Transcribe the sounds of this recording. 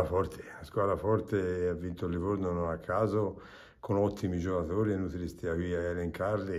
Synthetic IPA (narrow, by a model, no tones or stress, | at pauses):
afɔɾt̪ʰe̥askwaːd̪ɾafɔrt̪eavːint̪olːivoɾnononakʰːaːzo | kʰonɔt̪ʰːimid͡ʒokaθoːɾienːut̪ilist̪iakiaeleŋkaɾli